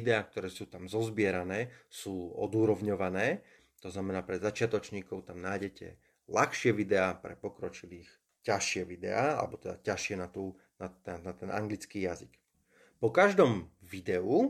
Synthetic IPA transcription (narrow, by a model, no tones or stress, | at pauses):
id̪ɛaːk̚t̪ɔɾɛːsuːt̪amzɔzbɪɛɾanɛːsuːɔ̰d̪uːɾɔʋɲɔʋanɛː | t̪ɔznamɛnaːpɾɛzat͡ʃɪat̪ɔt͡ʃɲiːkɔʊt̪amnaːɟɛcɛ̰ | laxʃɪɛʋid̪ɛapɾɛ̰pɔkɾɔt͡ʃiliːx | caʃɪɛʋid̪ɛ̰aa̰lɛ̰bɔt̪ɛd̪a̰caʃɪɛnat̪uː | nat̪ɛat̪ɛnʔa̰ŋɡlit͡skiːjazik | pɔkaʒd̪ɔmʋid̪ɛu